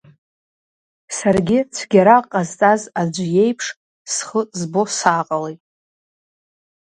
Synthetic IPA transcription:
sarɡʲɪt͡sʷʰɡʲaɾaqʼazt͡sʼazad͡ʒʷje̞jpʰʂ | sχəzbo̞saːqʼalejʼ

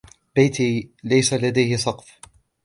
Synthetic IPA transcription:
bajt̪ilajsalad̪ajhɪsˤɑqf

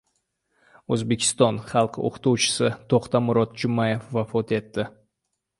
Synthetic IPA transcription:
ɵzbe̞kʲʰɪ̥st̪ɒnχɑlˠqʰo̰qʰt̪uwt͡ʃʰɪ̥sɪt̪ʰoqt̪amʊɾɒt̪̚d͡ʒʊmaje̞fvafɒt̪e̞t̪ːɪ

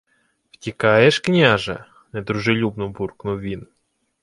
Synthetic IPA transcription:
wtʲikɑjeʃknʲaʒɐ̰ | ned̪ɾuʒelʲubnʊburknʊʋʲin

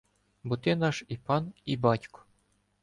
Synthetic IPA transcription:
but̪ʲenɑʂipɑnibɑtʲko̥

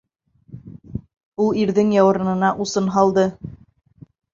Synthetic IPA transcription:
ulˠiɾðɘŋjɑwɤ̆ɾɤ̆nɤ̆nɑʔusɤnɦɑlˠd̪ɤ

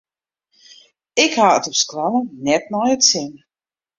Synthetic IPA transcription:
ɪkhaətɔpsklanənɛtnɔjətsɪn

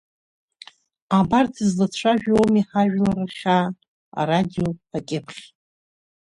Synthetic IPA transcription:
abartʰizlat͡ɕʷʰaʒᶣowmiħaʒᶣlaraχʲa | a̰radiopʰakʲʼɪpʰχʲ

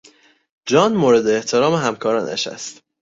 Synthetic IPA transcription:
d͡ʒɒːnmoːɾe̞d̪eːht̪ʰe̞ɾɒːmeɦæmkʰɒːɾɒ̰ːnæ̰ʃæ̰st̪

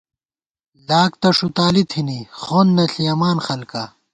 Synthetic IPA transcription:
laːk̚t̪ɐʂut̪aːlit̪ʰinixoːnːɐɬijɐmaːnxɐlka

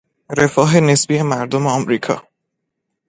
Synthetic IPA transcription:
ɾefɒːɦe̞nesb̥iːemæɾd̪omeɒmɾiːkʰɒ̰ː

